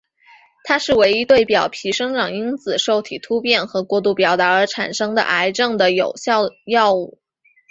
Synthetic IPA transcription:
t̪ʰa˥ʂɻ̩˥˩we˧˥ɪi˥t̪we˥˩ɪpjɑ˨˩ʊpʰi˧˥ʂɤ˥ŋʈ͡ʂɑ˨˩ŋi˥nt͡sɹ̩˨˩ʂo˥˩ʊt̪ʰi˨˩t̪ʰu˥pjɛ˥˩nxɤ˧˥kwɔ˥˧t̪u˥˩pjɑ˨˩ʊt̪a˧˥ə˞˧˥ʈ͡ʂʰa̰˨˩nʂɤ˥ŋd̪ə̰˨ʔa˧˥ɪʈ͡ʂɤ˥˩ŋd̪ə˩jo˨˩ʊɕjɑ˥˧ʊjɑ˥˧ʊu˥˩

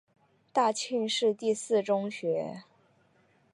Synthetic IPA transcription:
t̪a˥˧t͡ɕʰi˥˧nʂɻ̩˥˧t̪i˥˧sɹ̩˥˩ʈ͡ʂʊ˥ŋɕɥɛ˧˥

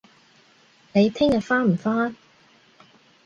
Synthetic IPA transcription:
ne˨˧jt̪ʰɪ˥ŋjɐ˨t̚faː˥nm̩˨˩faː˥n

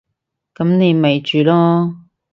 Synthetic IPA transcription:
kɐ˨˥mne˨˧jme˨jt͡ʃyː˨lɔː˥

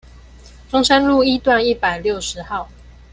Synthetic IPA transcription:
ʈ͡ʂʊ˥ŋʂə˦˥nlu˥˨i˥t̪wa˥˧ni˥˩pa˨˩ɪljo˥˨ʊʂɻ̩˨˦xɑ˥˩˨ʊ

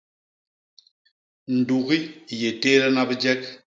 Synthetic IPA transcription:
n̩˨du˨ɣi˦je˨te˦lɛ˦na˦bə˦d͡ʒɛ˦k̚

